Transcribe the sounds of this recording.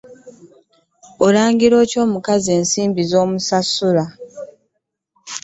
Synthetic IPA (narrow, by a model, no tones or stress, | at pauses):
oɾaːŋɡiɾo̞ːco̞ːmukazie̞ːnsiːmbizo̞ːmusasːuɾa